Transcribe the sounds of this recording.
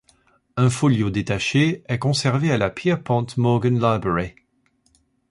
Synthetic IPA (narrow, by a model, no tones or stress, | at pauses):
ɛ̃foljod̪et̪aʃeɛkɔ̃sɛʁvealapjɛʁpɑ̃t̪mɔɡənlabʁeʁe